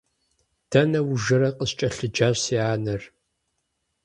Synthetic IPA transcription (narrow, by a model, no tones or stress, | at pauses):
d̥ʰɐnɐwʒɐɾɐqʼəst͡ʃʼɐɬɨd͡ʒaːɕsiːʕaːnɐr